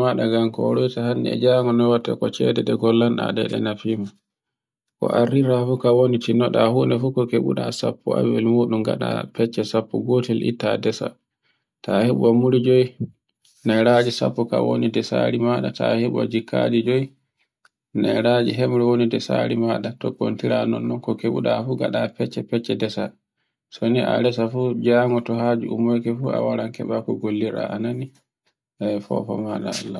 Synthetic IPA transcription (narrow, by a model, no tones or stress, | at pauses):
aɗaɡamkɔ̰ɾɔjtahanːiɛ̰d͡ʒaŋɔnɔwatːa̰kɔt͡ʃɛdɛɗɛɡɔlːanɗa̰ɗɛ̰ɗɛnafima | kɔ̰ʔariɾafukawonitinɔɗahundɛfukɔkeɓṵɗasa̰pʰːua̰bɛlmuɗumɡa̰ɗa̰pɛt͡ʃːɛsapːɔɡotɛlʔḭtadɛsa̰ | taheɓɔmuɾid͡ʒoj | najɾad͡ʒisa̰pːɔkawo̰nidɛsa̰ɾimaɗataheɓɔ̰d͡ʒikʰːa̰did͡ʒoj | najɾad͡ʒiɦɛmɾɛwonidɛsa̰ɾimaɗatɔkːo̰ntiɾanɔnːɔnkɔkeɓṵɗafuɡa̰ɗapɛt͡ʃːɛpɛt͡ʃːɛdɛsa | sɔniʔa̰ɾɛsafud͡ʒaːŋɡɔtɔhaːd͡ʒuʔumɔjkɛfua̰waɾaŋkɛɓakɔɡolːiɾa̰ʔanani | ʔɛfɔ̰fɔmaɗaa̰lːa